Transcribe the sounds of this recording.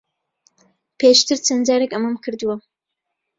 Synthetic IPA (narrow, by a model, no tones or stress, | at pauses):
pʰeʃt̪ɨɾt͡sɐnd͡ʒaːɾekɐmɐmkʰɨɾd̪uwɐ